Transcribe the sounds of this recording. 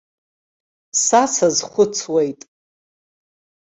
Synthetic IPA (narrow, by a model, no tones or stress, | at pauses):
sat͡sʰazχʷʊt͡sʰwejtʼ